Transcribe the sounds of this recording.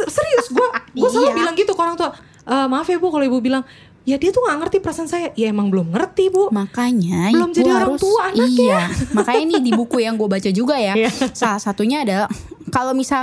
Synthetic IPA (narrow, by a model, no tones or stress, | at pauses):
səɾiʊsɡuaɡuasaabilaŋɡit̪ukoɾaŋt̪ua | ʔəːmafebukaloibubilaŋ | jadiat̪uŋɡaŋərt̪ipəɾasansajajaemaŋbəlʊmŋərt̪ibʊmakaɲabəʊmd͡ʒadiaʊst̪uaanaaamakainidibukujaŋɡuabat͡ʃad͡ʒuɡajasalahsat̪uɲaːdakalomisal